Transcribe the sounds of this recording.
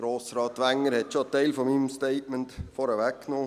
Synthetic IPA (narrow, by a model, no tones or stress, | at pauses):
ɡɾoːsɾɑːtʋæŋəɾhɛtʃoteɪlfɔmimmsteɪtməntfɔɾəʋækkːnoː